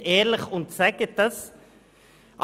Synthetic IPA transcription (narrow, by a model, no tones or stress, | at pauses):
eːɾləχʊnt̪sɛkət̪əs | ʔ